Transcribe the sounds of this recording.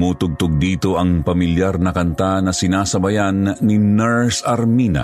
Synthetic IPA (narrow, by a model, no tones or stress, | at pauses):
muːt̪ʊɡ̚t̪ʊɡ̚d̪iːt̪o̞ʔɐŋpɐmɪljaɾnɐkɐnt̪anɐsɪnaːsɐbɐjanːɪnɛɹsɐɾminɐ̰